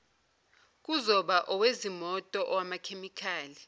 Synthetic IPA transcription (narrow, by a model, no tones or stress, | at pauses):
k̬ʼuzɔɓaʔɔwezimɔtʼɔʔɔwamakʰemikʰaːli